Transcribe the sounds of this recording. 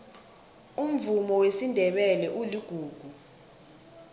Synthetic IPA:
um̩vumɔwesindʱɛɓɛlɛʔuliɡ̥ʱuːɡ̥ʱu

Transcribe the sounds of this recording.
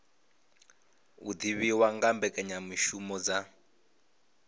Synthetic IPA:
ud̪iβiwaŋɡambɛkʼɛɲamiʃumɔd͡za

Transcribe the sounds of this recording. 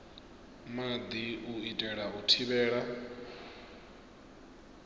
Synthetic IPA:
mad̪iuitʼɛɺautʰiβɛːɺa

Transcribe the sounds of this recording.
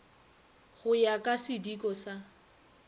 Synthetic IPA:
ɣʊjakʼasɪdikʼɔsa

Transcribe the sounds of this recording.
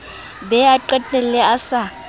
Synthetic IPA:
bɛaǃɛtʼɛlɛasa

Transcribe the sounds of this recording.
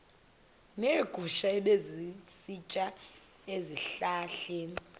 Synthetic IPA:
neːɡ̥ʱuʃaɛɓezisit͡ʃʼa | eziɬaːɬɛːn

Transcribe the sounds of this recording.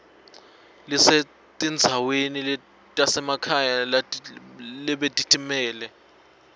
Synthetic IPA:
lise | tʼind͡zʱawenil | tʼasɛmakʰajal | lɛɓetʼitʰʼimɛːlɛ

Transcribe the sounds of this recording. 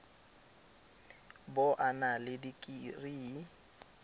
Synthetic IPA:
bʊʔanalɪdikʼiriː

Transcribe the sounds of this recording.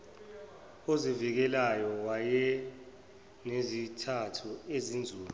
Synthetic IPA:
ozivik̬ɛlajɔwajɛ | nezitʰatʰuezind͡zʱuːlu

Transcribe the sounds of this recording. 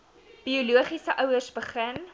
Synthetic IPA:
b̥iuluəχisəʔœwərsbəχən

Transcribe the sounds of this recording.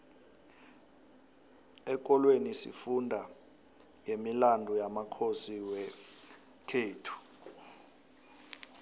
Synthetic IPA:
ɛk̬ʼɔlwenisḭfundʱa | ŋʱemilandʱujamakʰosiwɛ | kʰeːtʰu̥

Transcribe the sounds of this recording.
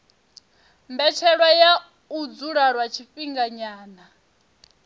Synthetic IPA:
mbɛt͡ʃʰɛɺwaja | ud͡zuɺaɾwat͡ʃʰifiŋɡaɲaːna

